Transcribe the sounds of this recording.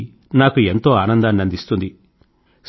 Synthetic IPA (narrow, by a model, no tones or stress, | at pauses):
naːkue̞nt̪o̞ːaːnɐnd̪anɐnd̪ist̪und̪i | s